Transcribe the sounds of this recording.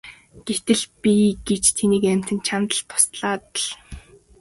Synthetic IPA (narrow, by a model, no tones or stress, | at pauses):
ɡ̥et̪ɘ̆ɮpʲiɡet͡ɕt̪ʰeniːkæm̥ʲt̪ɘ̆nt͡ɕʰamt̪ə̆ɬt̪ʰːʊ̥st̪ɮaːt̪ə̆ɮ